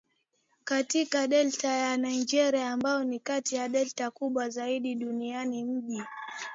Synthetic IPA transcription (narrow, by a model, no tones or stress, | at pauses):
katikaɗɛltajanaind͡ʒɛɾiaːmbaɔnikatijaɗɛltakuɓwazaiɗiɗunianim̩ʄi